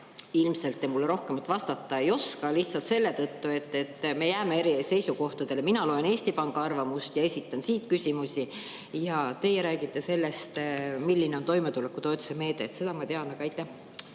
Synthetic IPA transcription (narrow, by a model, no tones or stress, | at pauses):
ilmse̞lt̪ːˑemulːeɾo̞hkemɑt̪ːˑvɑst̪ɑt̪ːˑɑe̞jo̞skɑliht̪sɑlt̪se̞lːe̞t̪ɤt̪ːue̞t̪ːe̞t̪ːme̞jæːme̞eɾise̞jsuko̞ht̪ɑd̪̥e̞leminɑlo̞e̞ne̞ːsʲt̪ipɑŋɡ̥ɑɑrvɑmust̪jɑe̞sʲit̪ːˑɑnsiːt̪̚kysʲimusʲi | jɑt̪e̞jeɾæːɡit̪ːe̞se̞lːe̞st̪milːine̞ont̪o̞jmet̪ulekːˑut̪o̞et̪ːˑu̥seme̞ːd̪̥e̞ːt̪se̞d̪ɑmɑt̪eɑnɑɡ̥ɑɑjt̪ːˑæh